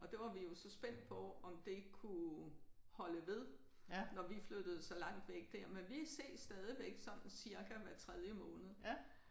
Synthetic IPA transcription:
ɒ̽d̥e̝ʋɑ̈ʋijo̝sɒ̽sb̥en̰d̥̚pʰɒ̽ɒ̽md̥e̝kʰu | hɒ̽ləʋe̝ð̞ˠ | nɒʋiflød̥əð̞̩ˠsɒ̽lɑ̈ŋ̰d̥ʋeɡ̥̚d̥æɐ̰menʋiæse̝̰ːd̥sd̥ɛːð̞ˠiʋeɡ̥sɒ̽n̰n̩siɐɡ̥ʰæʋæt͡sʰʁɛð̞ˠjəmɔ̽ːnəð̞̩ˠ

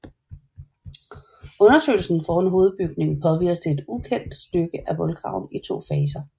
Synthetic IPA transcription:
ɔ̽nɐsø̰ɪl̩sn̩fɒːnɦo̝ːð̞̩ˠb̥yɡ̥ne̝ŋpʰɒ̽ʋiɐ̰sd̥əe̝d̥ukʰen̰d̥sd̥øɡ̥əʔæʋɒ̽lɡ̥ʁɑ̈ʊ̰nit͡sʰo̝̰ːfɛːs̬ɐ

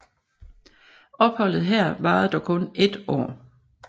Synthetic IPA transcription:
ɒ̽b̥hɒ̽l̰ð̞̩ˠɦɛɐ̰ʋɑ̈ːð̩ˠd̥ɒkʰɔ̽ne̝d̥ɒ̰ː

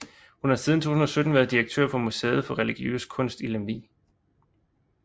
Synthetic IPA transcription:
hunhɑ̈siðˠn̩t͡sʰo̝̰ːsun̩ɒ̽sød̥n̩ʋæɐð̞ˠd̥iʁeɡ̥̚t͡sʰø̰ɐ̰fɒ̽museːð̞̩ˠfɒ̽ʁɛliɡ̥iø̰ːskʰɔ̽n̰sd̥ilemlḭː

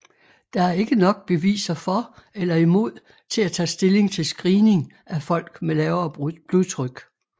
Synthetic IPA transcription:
d̥ɑ̈æɐe̝ɡ̥ənɒ̽ɡ̥̚b̥e̝ʋḭːsɐfɒ̽elɐimo̝ð̞̰ˠ | t͡sʰe̝læt͡sʰɛ̰ːsd̥e̝le̝ŋt͡sʰe̝lsɡ̥ʁiːne̝ŋ | æfɒ̽l̰ɡ̥melɛːʊɐb̥luðˠt͡sʰʁœɡ̥

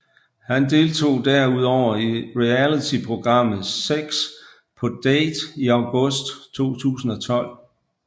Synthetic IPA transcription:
hænd̥e̝ːlt͡sʰo̝̰ːd̥æɐ̰uð̞̰ˠɒʊ̰ɐiʁiælit͡sʰipʰʁo̝ɡ̥ʁɑ̈m̰ð̩ˠseɡ̥s | pʰɒ̽d̥eːd̥iɑ̈ʊɡ̥ɔ̽sd̥t͡sʰo̝̰ːt͡sʰṵːsn̩ɒ̽t͡sʰɒ̽l̰

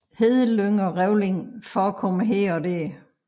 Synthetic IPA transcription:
heðˠəløŋɒʁɛʊle̝ŋfɒækʰɒ̽məɦeɐ̰ɒ̽d̥ɛɐ̰

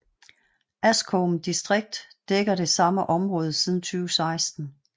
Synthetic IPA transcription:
ʔæskʰomd̥isd̥ʁeɡ̥̚d̥ːeɡ̥ɐɾe̝sɑ̈məʔɒ̽mʁɔ̽ːð̞̩ˠsið̞ˠn̩t͡sʰyːʊsɑ̈ɪsd̥n̩

